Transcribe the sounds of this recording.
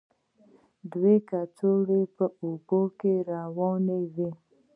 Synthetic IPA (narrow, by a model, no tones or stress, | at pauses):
dwekatoɾepəubokeɾawɔneve